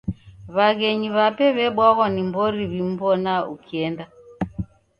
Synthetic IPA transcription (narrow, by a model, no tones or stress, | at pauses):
βaɣɛɲiβapɛβɛɓwaɣɔnimbɔɾiβim̩bɔnaukiɛnda